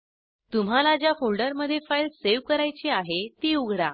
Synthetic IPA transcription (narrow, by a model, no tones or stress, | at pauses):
t̪um̤alad͡ʑjafoɭɖəɾməd̪ʱːjefajlseʋkəɾajt͡ɕiaɦet̪iːuɡʱɽa